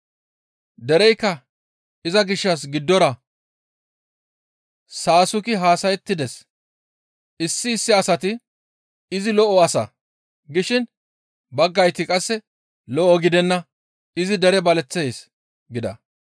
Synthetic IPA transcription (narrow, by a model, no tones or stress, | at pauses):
d̪ɛɾɛjkːɐ | ɪzɐɡɪʃːɐs̬ɡɪd̪ːɔɾɐ | saːsʊkɪɦaːsɐjɛt̪ːɪd̪ɛs | ɪsːɪːsːɪɐsɐt̪ɪ | ɪzɪlɔʔɔɐsɐ̰ | ɡɪʃɪn | bɐɡːɐjt̪ɪkʼɐsːɛ | lɔʔɔɡɪd̪ɛnːɐ | ɪzɪd̪ɛɾɛbɐlɛt͡sːes | ɡɪd̪ɐ̰